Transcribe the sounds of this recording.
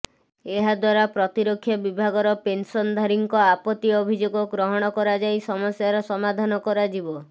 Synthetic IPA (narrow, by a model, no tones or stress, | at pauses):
eɦad̪waɾapɾɔt̪iɾokʰːjɔbibʱaɡɔɾɔpensɔnd̪ʱaɾiŋkɔapɔt̪iɔbʱid͡ʒoɡɔɡɾɔɦɔɽ̃ɔkɔɾad͡ʒajsɔmɔsjaɾɔsɔmad̪ʱanɔkɔɾad͡ʒibɔ